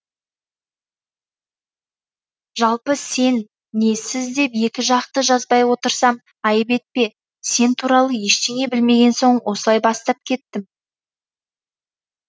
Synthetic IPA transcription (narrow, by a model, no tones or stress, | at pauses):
ʒɑlˠpəse̞nː | e̞sɪzd̪e̞pje̞kʲɪʒɑqt̪əʒɑzbɑjwo̞t̪əɾsɑm | ɑjəpe̞t̪̚pe̞ | se̞nt̪ʰuɾɑlˠəjeʃt̪e̞ŋe̞bɪlme̞ɡʲe̞nso̞ɴwo̞səlˠɑjbɑst̪ɑp̚kʲʰe̞t̪̚kːɪm